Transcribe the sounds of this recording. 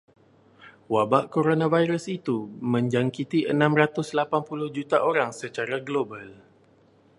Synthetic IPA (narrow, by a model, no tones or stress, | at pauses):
wabaʔkoɾonãvajɾusit̪umə̃ɲd͡ʒaŋkit̪iʔənãmrat̪ʊslapanpulʊhd͡ʒut̪aʔoɾaŋsət͡ʃaɾaɡlobal